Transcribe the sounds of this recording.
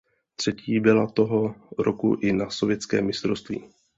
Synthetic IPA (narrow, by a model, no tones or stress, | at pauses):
t̪r̝̥ɛcʰiːbɪlat̪o̞ɦo̞ɾokuʔɪnaso̞vjɛt͡skɛːmːɪst̪ɾo̞st̪vḭː